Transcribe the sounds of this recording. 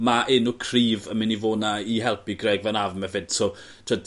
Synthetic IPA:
maʔɪnukʰriːvəmɪnivoːnaiɦɛlˠpʰiɡrɛːɡvɛnavmɛvɪd̥so | tʰəd

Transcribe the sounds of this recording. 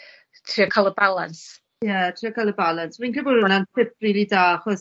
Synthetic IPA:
tʰriːɔkʰalˠəbalˠans | jɛtʰriɔkʰalˠəbalˠansmĩnkʰɪbɔɾʊnantʰɪp̚ʰriːlˠidaːaχɔs

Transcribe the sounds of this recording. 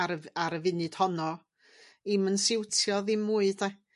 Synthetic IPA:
ɾaɾəvɪnɨd̥hɔnɔ | imənsɪwtʰjɔðimuːɨd̥ɛ

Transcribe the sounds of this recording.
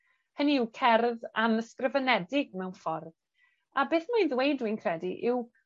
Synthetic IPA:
həniɪwkʰɛrðanəskrəvənɛdɪɡ̚mɛwnfɔrð | abeːθmajnðwejdwiɨnkʰrɛdiʔɪw

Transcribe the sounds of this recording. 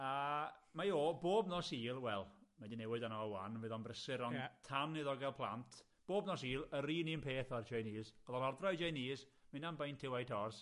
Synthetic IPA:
amajoːboːbnɔsiːlˠwɛlˠmadinɛwɪdanɔɔwanvɪðɔnbrəsɪɾɔtʰamnɨðɔɡɛlˠpʰlˠa̰ntʰ | b̥oːbnɔsiːlˠəɾiːninpʰeːθɔrt͡ʃʰejniːsv̥ɔðɔnɔrdrɔjd͡ʒejniːsmɪnanbajntʰɪwajtʰɔrs

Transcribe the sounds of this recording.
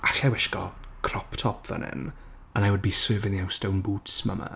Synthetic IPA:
aɬawɪʃkɔkʰrɔptʰɔpʰvə̰nɪ̰n | anajwʊd̚biːsøːvɪniawstownbuːtsma̰ma̰

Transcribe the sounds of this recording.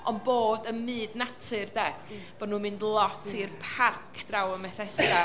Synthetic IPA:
ɔnboːdənmɨːdnatʰɨrdɛ | b̥ɔdnuːmɨndlˠɔtʰirpʰarkʰd̥rawəmɛθɛsa

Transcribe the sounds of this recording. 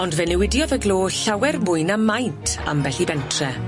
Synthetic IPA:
ɔndvɛnɛwɪdjɔðəɡlˠoːɬawɛrmʊɨnamːajntʰa̰mbɛɬibɛntʰrɛ

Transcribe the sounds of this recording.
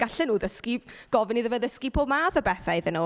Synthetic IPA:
ɡ̥aɬɛnuːðəskiɡ̥ɔvɪniðəvəðəskipʰoːbmaːθəbɛθaɨðənuː

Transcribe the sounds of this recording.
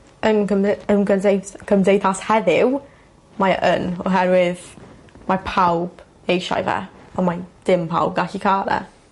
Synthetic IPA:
ənəənɡədekʰəmdejθashɛðɪw | majʔənɔ̰ɦɛɾwɪðmapʰawb̥ | ejʃa̰jvɛ̰ɔmajd̥ɪmpʰa̰wb̚ɡaɬikʰaːɾɛ̰

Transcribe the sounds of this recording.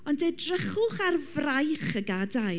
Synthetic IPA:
ɔndedrəχʊχarvrajχəɡada

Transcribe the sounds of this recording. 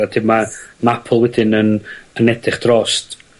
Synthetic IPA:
ad̥ʰɪmanapʰʊlˠwɛdɪnənənɛdɪχd̥rɔst

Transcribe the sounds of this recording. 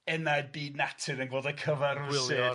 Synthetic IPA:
ɛnajd̚biːdnatʰɪnənɡoːdəkʰəvaɾɪlˠeɔː

